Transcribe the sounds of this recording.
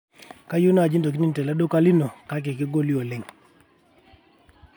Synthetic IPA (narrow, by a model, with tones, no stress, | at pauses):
ka˦ju˦n˦a˨d͡ʒi˦ndo˨k̬i˦ni˦n˨tɛ˨lɛ˦do˦ka˦li˦no˨ka˦k̬ɪ˨kɪ˦ɡo˦li˦o˨lɪ˦ŋ